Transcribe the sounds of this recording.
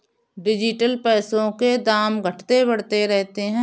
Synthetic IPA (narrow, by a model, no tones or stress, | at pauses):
ɖɪd͡ʒɪʈəlpɛːsõked̪aːmɡʱɐʈʰt̪ebɐɽt̪eɾɛɦt̪eɦɛ̃ː